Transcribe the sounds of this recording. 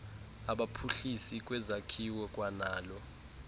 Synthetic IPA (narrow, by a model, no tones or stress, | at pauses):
aɓapʰuɬisik̬ʼwɛzakʰiwɔkʼwanaːlɔ